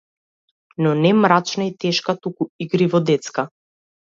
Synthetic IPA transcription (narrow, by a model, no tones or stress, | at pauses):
nɔnɛmɾat͡ʃnait̪ɛʃkat̪ukuiɡɾivɔd̪ɛt̪ska